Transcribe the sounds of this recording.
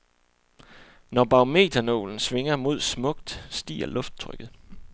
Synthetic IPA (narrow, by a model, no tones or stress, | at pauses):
nɒb̥ɑ̈ome̝̰ːt͡sʰɐno̝̰ːln̩sʋe̝ŋɐmo̝ð̞̰ˠsmɔ̽ɡ̥̚d̥sd̥ḭːɐlɔ̽fd̥̚t͡sʰʁœ̰ɡ̥ð̩ˠ